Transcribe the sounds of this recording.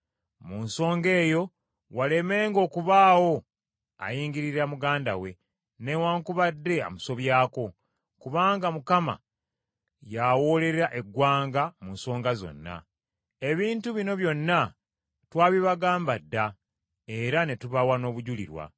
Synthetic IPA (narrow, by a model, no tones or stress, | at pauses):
munso̞ːŋɡe̞ːjo̞ | wale̞me̞ːŋɡo̞ːkuβaːwo̞ | a̰jiːɲɡiɾiɾamuɡaːndawe̞ | ne̞waːŋkuβadːe̞a̰muso̞βjaːko̞ | kuβaːŋɡamukama̰ | jawo̞ːle̞ɾɾaʔe̞ɡwaːŋɡamunso̞ːŋɡazo̞̰nːa̰ | e̞βiːntuβino̞βjo̞nːa | twaːβiβaɡaːmbadːa | e̞ɾane̞tuβawano̞ːβuɟulḭɾwa̰